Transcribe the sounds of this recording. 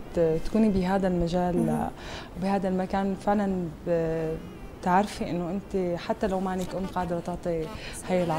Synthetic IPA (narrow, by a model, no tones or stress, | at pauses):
t̪ḁkuːnibɪɦaːd̪almaʒaːl | wbihaːd̪almakaːnfɪʕlan | t̪aʕɾfiʔɪnːoʔɪnt̪eħat̪ːalawmaʕɪnɪkʔʊmqɑːd̪ɾˤɑt̪ɪʕt̪ˤihaːjːalʕ